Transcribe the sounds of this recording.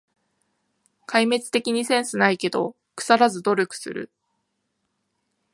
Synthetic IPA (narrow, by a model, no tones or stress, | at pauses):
kʰaime̞t͡sɨ̥t̪e̞kʲiɲ̟isẽ̞ɰ̃sɨnaike̞d̪o̞̰ | kɯ̟̥saɾazɨd̪o̞ɾʲokɯ̥sɨ̰ɾɯ̟̰